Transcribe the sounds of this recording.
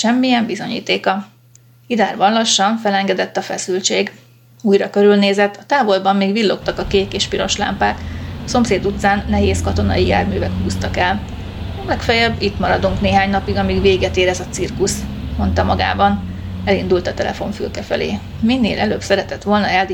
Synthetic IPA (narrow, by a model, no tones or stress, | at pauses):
ʃɛmːijɛmbizo̞ɲḭːt̪eːkɒ | id̪aːrbɒnlɒʃːɒɱfɛlɛŋɡɛd̪ɛt̪ːɒfɛsylt͡ʃeːɡ | uːjrɒkø̞ɾylneːzɛt̪ːɒt̪aːvo̞lbɒmːeːɡvilːo̞kt̪ɒkɒkeːkeːʃpiɾo̞ʃla̰ːmpaːk̪ɒso̞mseːd̪ut̪saːnːɛɦeːskɒt̪o̞nɒ̰jija̰ːrmyːvɛkhuːst̪ɒkɛl | lɛkfɛjɛbːit̪mɒɾɒd̪uŋkneːɦaːɲnɒpiɡɒmiɡveːɡɛt̪eːɾɛzɒt̪sirkus | mo̞nt̪ɒmɒɡa̰ːbɒn | ɛlind̪ult̪ɒt̪ɛlɛ̰fo̞ɱfy̰lkɛfɛlḛː | minːḛːlʔɛløːbsɛɾɛt̪ɛt̪ʋo̞lnɒjald̪